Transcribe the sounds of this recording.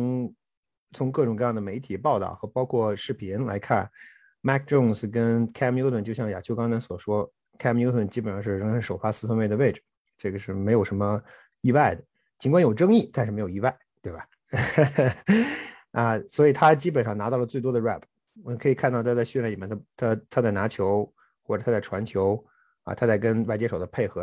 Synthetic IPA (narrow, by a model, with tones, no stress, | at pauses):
ʊ˧˥ŋ | t͡sʰʊ˧˥ŋkɤ˥˩ʈ͡ʂʊ˨˩ŋkɤ˥˧jɑ˥˩ŋd̪ə˩me˧˥ɪt̪ʰi˨˩pɑ˥˧ʊt̪ɑ̰˥˩ʊxɤ˧˥pɑ˥ʊkʰwɔ˥˧ʂɻ̩˥˩pʰi˧˥nla˧˥ɪkʰa˥˩n | ma˥˩k̚ʈ͡ʂʊ˥˩ŋs̩˩k̬ə˥nkʰɛ˥mjo˥ʊə˥˩nt͡ɕjɕjɑ˥˩ŋja˨˩t͡ɕʰjo˥˧kɑ˥ŋna˧˥nswɔ˨˩ʂwɔ˥ | kʰɛ˥m˧jo˥ʊt̪ʰə˥˩nt͡ɕi˥pə˨˩nʂɑ˥˧ʂɻ̩˥˩ɻə˧˥ŋʈ͡ʂə˧˥ʂo˨˩ʊfa˥sɹ̩˥˧fə˧˥nme˥˩ɪd̪ə˩we˥˩ɪʈ͡ʂɻ̩˨˩ | ʈ͡ʂɤ˥˩ɡə˩ʂɻ̩˥˩me˧˥ɪjo˨˩ʂə˧˥mə˧ | i˥˧wa˥˩ɪd̪ə˩ | t͡ɕi˧˥ŋkwŋjo˨˩ʊʈ͡ʂɤ˥ŋi˥˩t̪a˥˧nʂ̩˥˩me˧˥ɪjo˨˩˧i˥˧˥wa˥˩ɪt̪we˥˩bɐ˩ | ə˧swɔ˧˥i˨˩t̪ʰa˥t͡ɕi˥pə˨˩nʂɑ˥˩ŋna˧˥t̪ɑ˥˩ʊlə˩t͡swe˥˩ɪt̪wɔ˥d̪ə˨ɻa̰˥˩pʰ | wɔ˨mə˧˦kʰɤ˧˥i˨˩kʰnt̪ɑ˥˩t̪ʰa˥t͡sa˥˧ɕla˥˩˨i˨˩jnt̪ʰa˥t̪ʰa˥t̪ʰa˥t͡sa˥˩na˧˥t͡ɕʰjo˧˥ʊ | xwɔ˥˩ʈ͡ʂə˨˩a˥t͡sa˥˩ɪʈ͡ʂʰwa˧˥nt͡ɕʰjo˧˥ʊ | a̰˧t̪ʰa˥t͡sa˥˩ɪkə˥nwa˥˩ɪt͡ɕjɛ˥ʂo˨˩ʊd̪ə˦pʰe˥˩ɪxɤ˧˥